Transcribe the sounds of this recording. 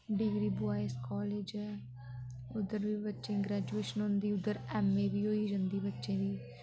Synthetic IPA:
ɖɪɡɾiːbʊaːeskɔːleːd͡ʒɛː | ʊd̪əɾʋiːbətːʃẽːɡɾɛːd͡ʒueːʃənɦõnd̪iːʊd̪əɾɛːmːẽːbiːɦoːiːd͡ʒə̃nd̪iːbətːʃẽːd̪iː

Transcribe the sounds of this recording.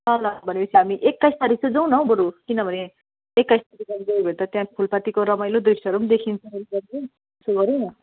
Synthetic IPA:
sʌlabʱʌnebiseɦamiʔekːajst̪ʌɾisud͡zaw̃nʌw̃bʌɾukinʌbʱʌne | ekːajst̪ʌɾiɡʌɾɡ̪ʌjubʱʌnt̪ʌt̪jãpʰulpat̪ikoɾʌmajlod̪risʈʌɾumd̪ekʰint͡sʰʌ̃ʌliɡʌɾe | suɡʌɾenʌ

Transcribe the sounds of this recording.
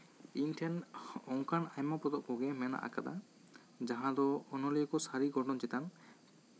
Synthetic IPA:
inʈʰɛnɔŋkanajmapɔd̪ɔʔpɔɡɛmɛna̰ʔa̰kad̪a̰ | d͡ʒaɦãd̪ɔːnɔliɔkɔsaɾiɡɔɾɖɔnt͡ʃɛt̪an

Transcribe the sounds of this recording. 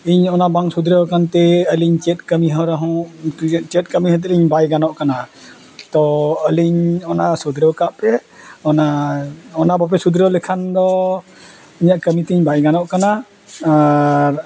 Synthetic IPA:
iɲɔnabaŋsud̪ɾəwkant̪ɛəliɲt͡ʃɛt̪̚kəmiɦɔɾaɦɔ̃ | t͡ʃɛt̪̚kəmiɦɔt̪̬ɛliɲbajɡanɔʔkana | t̪ɔəliɲɔnasud̪ɾəwkaʔpɛ | ɔnaɔnabap̬ɛsud̪ɾəwləkʰand̪ɔ | əɲaʔkəmit̪ɛiɲbajɡanɔʔkana | aɾ

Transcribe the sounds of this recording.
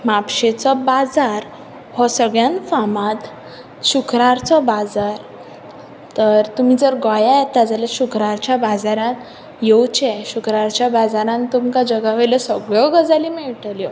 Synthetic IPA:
mapɕet͡sɔbad͡zaɾ | hɔsəɡɭjãnfamãt̪ | ɕukɾaɾt͡sɔbad͡zaɾ | t̪əɾt̪um̤id͡zəɾɡajajɛt̪ːad͡zaljaɕukɾaɾt͡ɕjabad͡zaɾãt̪ | jewt͡ɕɛɕukɾaɾt͡ɕjabad͡zaɾãnt̪umkad͡ʑəɡaʋeləsəɡɭɔɡəd͡zalimɛʋiʈʰəljɔ

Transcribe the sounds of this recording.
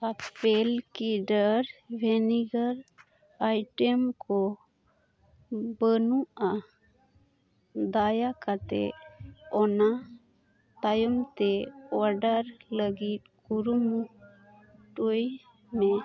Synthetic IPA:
apɛlkiɖəɾbʱɛniɡəɾ | ajʈɛmkɔ | bənuʔa | d̪ajakat̪ɛ̰ɔna | t̪ajɔmt̪ɛɔɾɖəɾləɡit̪̚kuɾumu | ʈuj | mɛ

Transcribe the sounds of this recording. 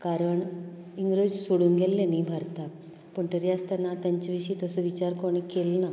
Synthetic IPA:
kaɾəɳ | iŋɡɾod͡ʑsoɽuŋɡelːenibʱəɾt̪ak̚ | pəɳʈəɾiast̪anat̪jaɲt͡ɕiʋiɕit̪ɔsɔʋit͡ɕaɾkoɽ̃ikelna

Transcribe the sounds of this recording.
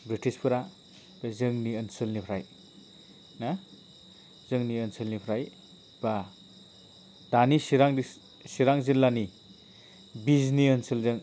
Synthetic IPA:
bɾitispʰɯɾa | b̥ezɯŋniənsɯlnipʰɾaj | na | zɯŋniənsɯlnipʰɾaj | ba | d̥anisiɾaŋi | siɾaŋzilːani | bizniənsɯlzɯŋ

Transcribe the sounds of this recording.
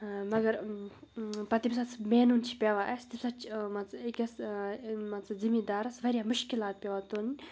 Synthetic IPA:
mɐɡɐɾ | pɐt̪imsɐt͡sʰmeːnunt͡ʃʰi̥pʲeʋaʔɐst̪isɐt͡ʃmɐekʲɐs | mɐɐbzimid̪aːɾɐsʋɐɾʲjaːmʊʃkilaːt̪̚pʲeʋaːt̪oːnʲ

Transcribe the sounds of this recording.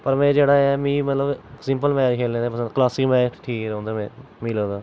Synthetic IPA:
pəɾmɛ̃ːd͡ʒeːɽaːɛːmiːmət̪ləbsɪ̃mpəlmɛːɾkʰeːlẽːd̪eːpəsə̃klaːsɪkmɛːʈʈʰiːkɾɦõːnd̪aːmɛ̃ː | miːlõːd̪aː

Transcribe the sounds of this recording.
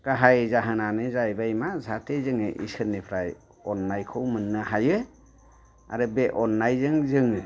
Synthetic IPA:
kaɦajɯzaɦɯnanɯzajbajmazʱatʰezɯŋɯʔḭsɯnːipʰɾaj | ɔnːajkʰɯwmɯnːɯɦajɯ | a̰ɾɯbeʔɔnːajzɯŋzɯŋɯ

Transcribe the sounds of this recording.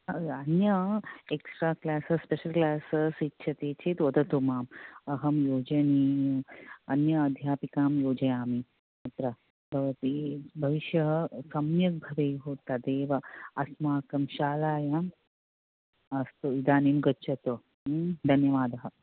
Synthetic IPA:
ɐnjɐeksʈɾaːklaːsɐspeʃɐlklaːsɐsitːʃʰɐt̪eːt͡ʃʰet̪ʋɐd̪ɐt̪umaːmɐɦɐmjoːd͡ʒɐniː | ɐnjɐɐd̪ʱjaːpikaːmjoːd͡ʒɐjaːmi | ɐt̪ɾɐ | bʱɐʋɐt̪ibʱɐʋiʃjɐɦɐsɐmjɐk̚bʱɐʋeːɦoːt̪ɐd̪eːʋɐɐsmaːkɐmʃaːlaːjam | ɐst̪uid̪aːniːmɡɐtːʃʰɐt̪o | d̪ʱɐnjɐʋaːd̪ɐɦɐ̆

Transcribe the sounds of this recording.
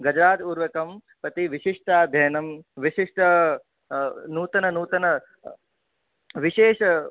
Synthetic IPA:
ɡɐd͡ʒɾaːt̪uːɾʋɐkɐmpɾɐt̪iʋiʃiʂʈaːd̪ʱjɐːnɐmʋiʃiʂʈɐ | nuːt̪ɐnɐnuːt̪ɐnɐ | ʋiʃeːʃɐ

